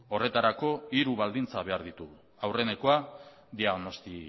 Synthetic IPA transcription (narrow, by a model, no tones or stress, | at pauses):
o̞re̞t̪aɾako̞iɾuβald̪int͡saβe̞aɾðit̪u | awre̞ne̞ko̞a | d̪iaɣno̞st̪i